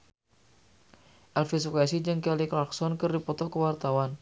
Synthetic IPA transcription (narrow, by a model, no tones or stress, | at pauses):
ʔɛlfis̬ɔkasid͡ʒɨŋkɛliklaksɔnkɨrdipɔt̪ɔkəwart̪awan